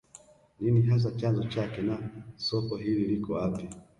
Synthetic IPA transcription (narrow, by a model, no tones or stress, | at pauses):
niniɦas̬at͡ʃanzɔt͡ʃakɛnasɔkɔɦililikɔapi